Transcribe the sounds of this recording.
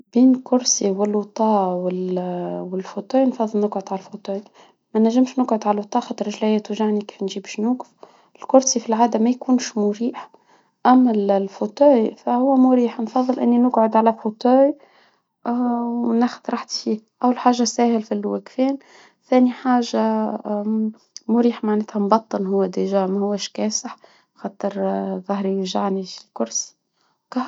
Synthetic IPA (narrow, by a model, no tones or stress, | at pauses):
b̥iːnlkʊɾsiwɪlwt̪ˤɑːwɪlwɪlfot̪uːjnfɑðˤːɨlnʊɡʕʊd̪ʕalæfot̪oːj | mænæʒːɪmʃnʊɡʕʊd̪ʕalwt̪ˤɑːxɑt̪ːɾʒlæjæt̪ʊʒaʕniki̥ːfnʒiːbʃnuːɡɪf | ɪlkʊɾsifilʕaːd̪æmæjkuːnʃmʊɾiːħ | ʔæmːællfot̪uːjfæhʊwːæmʊɾiːħnfɑðˤːɨlʔɪnːinʊɡʕʊd̪ʕalæfot̪oːj | ʔwnæxʊd̪ɾˤɑħt̪fiːhʔæwːəlħaːʒːasæːhɪlfilwækfɛːn | θæːniħaːʒa | mʊɾiːħmaʕneːt̪hæmbɑt̪ˤːɨnɦʊwːæd̪iʒæːʕmæhʊwːæʃkɛːsəħ | xɑːt̪ˤəɾðˤɑhɾiʒaʕnifilkʊɾsi̥ | kɑ